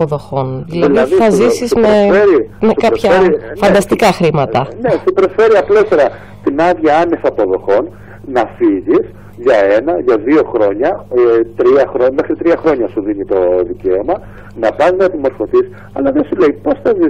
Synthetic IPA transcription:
poðo̞xo̞nðilɐðiiθɐzzisizmeeɾimesukɐpçɐeɾifɐnd̪ɐst̪ikɐxɾimɐt̪ɐnesupɾo̞sfe̞ɾiɐplo̞t̪e̞ɾɐ | t̪inɐðʝɐɐne̞sɐpo̞ðo̞xo̞n | nɐfiʝis | ʝɐe̞nɐʝɐðio̞xɾo̞ɲɐt̪ɾiɐxɾome̞xɾit̪ɾiɐxɾo̞ɲɐsuðinit̪o̞ðice̞omɐ | nɐpɐznɐt̪imo̞ɾfo̞θis | ɐlɐðesule̞ipo̞sθɐzi

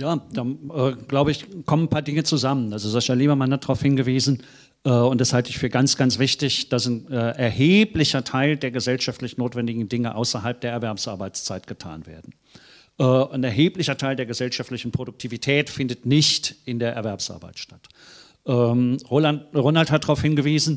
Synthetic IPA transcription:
jaːd̥aːʔɛːɡ̥laʊbəɪçkʰɔmənpʰaːɐdɪŋət͡suzamənazozaʃaliːbɐmanadʁaʊfhɪnɡəviːzn̩ | ʔɛːʊntd̥ashaltəɪçfyːɐɡant͡sɡ̥ant͡sv̥ɪçtɪçd̥asnɛːʔɛɐheːplɪçɐtʰaɪldeːɐɡəzɛlʃaftlɪçnoːtv̥ɛndɪɡŋ̩dɪŋəʔaʊsɐɦalp̚d̥eːɐɛɐvɛɐpsʔaɐbaɪt͡st͡saɪt̚ɡ̥ətʰa̰ːnvḛːɐdn̩ | ʔɛːnɛɐɦeːplɪçɐtʰaɪldeːɐɡəzɛlʃaftlɪçn̩pʁ̥odʊk̚tʰiːvitʰɛːtfɪndətnɪçtʔɪndeːɐʔɛɐvɛɐpsʔa̰ɐba̰ɪtʃtḁt | ʔɛːʁoaʁonalthat̚d̥ʁaʊfhɪnɡəviːzn̩

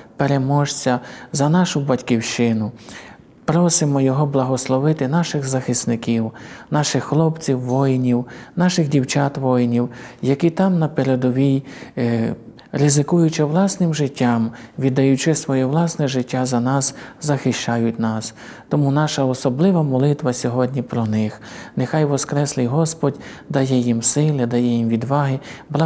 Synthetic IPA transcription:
peɾemɔʃt͡sʲɐzɐnɑʃʊbɐtʲkʲiwʃɪnʊ | pɾɔsɪmɔjɔɦɔblˠɐɦɔslˠɔʋɪt̪ɪnɑʃɪɣzɐxɪsnɪkʲiwnɑʃɪxːlˠɔpt͡sʲiwːɔjnʲiwnɑʃɪɣdʲiwt͡ʃɑt̪ʋɔjnʲiwjɐkʲit̪ɑmnɐpeɾɛd̪ɔʋʲij | rɪzɪkujʊt͡ʃɪwlˠɑsnɪmʒɪtʲːɑmʋʲid̪ɐjʊt͡ʃɪsʋɔjɛʋlˠɑsnɛʒɪtʲːazɐnɑszɐxɪʃt͡ʃɑjʊtʲnɑs | t̪ɔmunɑʃɐɔsɔblˠɪʋɐmɔlˠɪt̪ʋɐsʲɔɦɔdʲnʲipɾɔnɪxnexɑjʋɔskɾɛslˠɪjɦɔspɔdʲd̪ɐjɛjimsɪlˠɪd̪ɐjɛjimʋʲid̪ʋɑɦɪblˠɑ

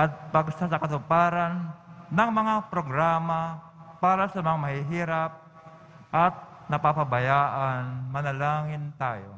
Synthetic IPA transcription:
ʔɐt̪̚pɐɡsasɐkɐt̪ʊpaːɾanːɐŋmɐŋapɾoɡɾaːma | paːɾasɐmɐŋamɐhɪɦiːɾap̚ | ʔɐt̪̚ | nɐpapabɐjaːʔanmɐnɐlaːŋɪnt̪a̰ːjo̰

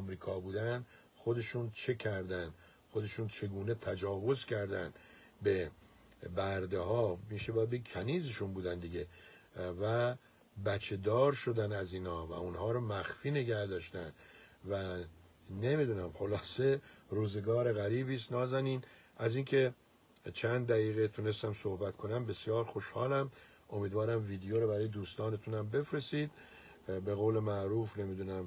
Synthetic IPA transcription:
mɾiːkʰɒːbuːd̪æn | χo̞d̪e̞ʃuːnt͡ʃʰe̞kʰæɾd̪ænd̪ | xod̪e̞ʃuːnt͡ʃʰe̞ɡuːne̞t̪ʰæd͡ʒɒːvo̞zcʲʰæɾd̪æn | be̞ | bæɾd̪ehɒːmiːʃebɒjæd̪bekʰæniːzeʃunbuːd̪ænd̪iɡʲe̞ | væ | bæt͡ʃʰːe̞d̪ɒːɾʃo̞d̪ænæziːnhɒːvæ̰unhɒːɾɔːmæxfiːne̞ɟæhd̪ɒːʃt̪ænvæ | ne̞mid̪unæmxo̞lɒːse̞ɾuːze̞ɡɒːɾe̞ɣæɾiːbiːst̪nɒːzæniːnʔæziːŋkʰe̞ | t͡ʃʰænd̪d̪æɣiːɣet̪ʰune̞st̪æmso̞hbæt̪kʰo̞næmbe̞sijɒːɾxo̞ʃhɒːlæm | ʔo̞miːd̪vɒːɾæmviːd̪ejoɾobæɾɒːje̞d̪uːst̪ɒːne̞t̪ʰunæmbe̞fɾe̞siːd̪ | be̞ɣoːle̞mæʔɾuːfne̞mid̪unæm

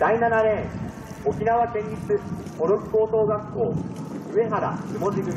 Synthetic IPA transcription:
d̪̥ainanaɾẽ̞ | okʲinaβakẽ̞ɲʲɾʲit͡sɨ | ko̞ɾokɯ̟̥koːsoːɡakːoːɯ̟e̞ɦaɾa̰ɯmo̞d͡ʑiɡɯ̟

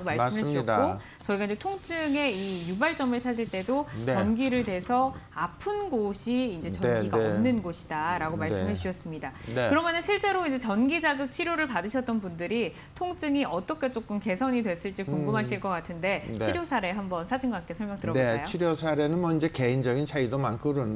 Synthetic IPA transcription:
ɡomaɭ͈mɦemidao | t͡ɕʌiɡaiɲd͡ʑe̞tʰoŋt͡ɕ͈ɯŋe̞ijubaɭt͡ɕ͈ʌmɯɭt͡ɕʰad͡ʑiɭt͈e̞dont͡ɕeʌnɡiɾɯɭdwe̞sʰʌapʰɯnɡoɕʰiːnd͡ʑe̞t͡ɕʌnɡiɡaʌmnɯnɡoɕʰi̥daɾaɡomaɭs͈ɯmɦet͡ɕ͈uɕʰʌs͈ɯmɲidakɯɾʌmjʌnɯnɕʰiɭt͡ɕ͈e̞ɾoind͡ʑe̞t͡ɕʌnɡid͡ʑaɡɯk̚t͡ɕʰiɾjoɾɯɭpadɯɕʰʌt͈ʌnpundɯɾi | tʰoŋt͡ɕ͈ɯŋiʔʌt͈ʌkʰe̞t͡ɕ͈ok͈ɯmke̞sʰʌɲidwe̞s͈ɯɭt͡ɕ͈ikuŋɡumɦaɕʰiɭk͈ʌk͈atʰɯnde̞t͡ɕʰiɾjosʰaɾe̞ɦambʌnsʰad͡ʑinɡak͈esʰʌɭmjʌŋtɯɾʌneajt͡ɕoiɾjosʰaɾe̞nɯnmʌind͡ʑe̞ke̞ind͡ʑʌɡint͡ɕʰaidomankʰɯɾɯn

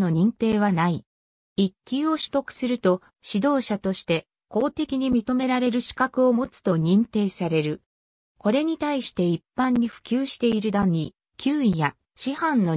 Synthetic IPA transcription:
no̞ɲ̟ĩnt̪e̞ːβ̞anai | ikʲːio̞ɕɨ̥t̪o̞kɯ̥sɨɾɯ̟t̪o̞ | ɕid̪o̞ːɕat̪o̞ɕi̥t̪e̞ | ko̞ːt̪e̞kʲiɲ̟imʲit̪o̞me̞ɾaɾe̞ɾɯ̟ɕi̥kakɯ̟o̞mo̞t͡sɨ̥t̪o̞ɲ̟ĩnt̪e̞ːsaɾe̞ɾɯ̟ | ko̞ɾe̞ɲ̟it̪aiɕi̥t̪e̞ipːãɲ̟ːiɸɯ̟̥kʲɨːɕi̥t̪e̞iɾɯ̟d̪ãnːi | kʲʰɨːija | ɕihãnːo̞

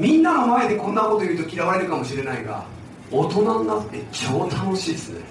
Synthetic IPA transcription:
mʲĩnːano̞mae̞d̪e̞kõ̞nːako̞t̪ojɯ̟ːt̪o̞kʲiɾaβaeɾɯ̟kamo̞ɕiɾe̞naiɡa̰ | ot̪o̞nanonakɯ̥t̪ːe̞t͡ɕoːd̪ooɕiːd̪esɨne

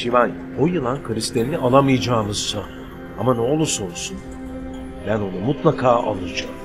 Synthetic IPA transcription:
ʃivan | ojɯlˠankʰɯɾist̪ʰenʲiiʔalˠamɯjad͡ʒaːmɯz̥sa | amanɛolˠusolˠsun | bæno̞numut̪lˠakʰaːʔa̰lˠɯd͡ʒam

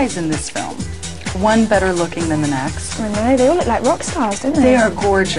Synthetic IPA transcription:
ɪzɨ̃nðɪsfɪ̰lˠm | wʌ̃nbɛɾə˞lʊkɪ̃ŋðɨ̃nɨ̃nɛksɨ̃neðeɪwllaɪkɹʌkstɑzd̥ɪdⁿn̩ðeeɪə˞ɡɔɹd͡ʒɨ

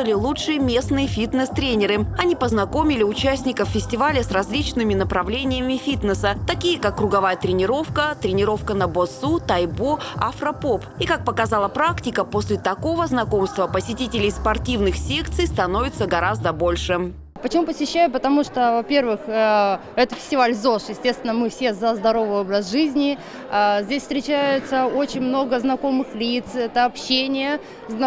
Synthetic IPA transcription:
ɨlʲɪlˠutʂɨjəmʲe̞snɨjəfʲit̪nəst̪ɾʲenʲɪɾɨɐnʲipəznɐko̞mʲɪlʲɪʊt͡ɕæsʲnʲɪkəffʲɪsʲtʲɪvalʲəsrɐzʲlʲit͡ɕnɨmʲɪnəpɾɐvlʲenʲɪjəmʲɪfʲit̪nəsət̪ɐkʲijəkakːɾʊɡɐvajət̪ɾʲɪnʲɪɾo̞fkət̪ɾʲɪnʲɪɾo̞fkənɐbosut̪ɐjboɐfɾɐpopikak̚pəkɐzalˠəpɾaktʲɪkəposʲlʲɪt̪ɐko̞vəznɐko̞mst̪vəpəsʲɪtʲitʲɪlʲɪjspɐrtʲivnɨxsʲe̞kt̪sɨjst̪ɐno̞vʲɪt̪səɡɐɾazd̪əbo̞lʲʂɨ | pət͡ɕɪmupəsʲɪɕːæjʊpət̪ɐmuʂt̪ovɐpʲe̞rvɨx | ɛt̪əfʲɪ̥sʲtʲɪvalʲzo̞ʂjɪsʲtʲest̪vʲɪnəmɨfsʲe̞zəzd̪ɐɾo̞vɨjo̞bɾəsʐɨzʲnʲɪ | zʲdʲesʲfst̪ʲɾʲɪt͡ɕæjʊt̪səo̞t͡ɕɪnʲmno̞ɡəznɐko̞mɨxlʲit̪sɛt̪əɐpɕenʲɪjə | zn

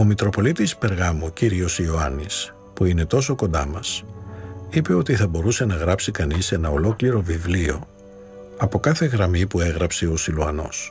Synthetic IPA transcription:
o̞mit̪ɾo̞po̞lit̪ispe̞ɾɣɐmuciɾio̞sio̞ɐnis | puine̞t̪o̞so̞ko̞nd̪ɐmɐs | ipe̞o̞t̪iθɐbo̞ɾuse̞nɐɣɾɐpsikɐnise̞nɐo̞lo̞kliɾo̞vivlio̞ | ɐpo̞kɐθe̞ɣɾɐmipue̞ɣɾɐpseo̞siluɐno̞̰s

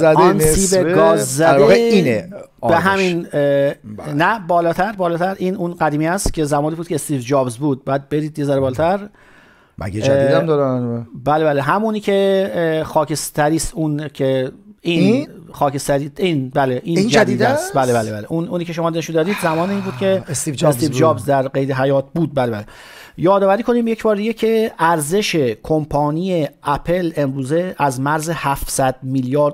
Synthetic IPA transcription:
zæd̪enseiːbeɡɒːzzæɾɣeiːne | beɦæmin | næbɒːlɒːt̪ʰæɾbɒːlɒːt̪ʰæɾʔiːnunɢæd̪iːmiːæst̪cʲʰe̞zæmɒːniːbuːd̪kʰeest̪iːvd͡ʒɒːbzbuːd̪̚bjæd̪̚beɾid̪jezæɾebɒːlɒːt̪ʰæɾ | mæ̰ɡed͡ʒæid̪æmd̪ɒdæanuebæːlebæːleɦæmuniːcʰe̞xɒːcʰest̪æɾiːst̪unkʰein | xɒːkʰest̪æɾiinbæleʔiːnnd͡ʒæd̪iːd̪æsbæːlebælebæːleʔunuːniːcʰe̞ʃo̞mɒːd̪enʃund̪ɒːd̪iːd̪zæmɒːneiːnbuːd̪cʰe̞sid͡ʒesiːvd͡ʒɒːbzd̪æɾɡejd̪eɦæjɒːt̪̚ʰbuːd̪̚bælebæle | jɒːd̪ɒːvæɾiːkʰoniːmjecbɒːɾd̪iɡecʰe̞æɾze̞ʃe̞kʰompʰɒːnijeæpʰe̞le̞mɾuːze̞æzmæɾze̞hæfsæd̪miːljɒːɾd̪

